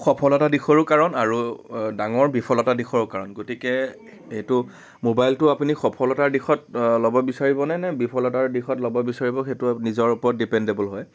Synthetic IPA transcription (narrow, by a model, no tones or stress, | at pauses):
xɔpʰɔlɔtadixʰɔɹʊkaɹɔnaɹudaŋɔɹbipʰɔlɔtadixʰɔɹʊkaɹɔnɡotikɛ | etʊ | mobajltʊapunixɔpʰɔlɔtaɹdixɔt̚lɔbɔbisaɹibɔnɛnɛbipʰɔlɔtaɹdixɔtlɔbɔbisaɹibɔxetʊnizɔɹupɔɹɔt̚dipɛndebɔlɦɔj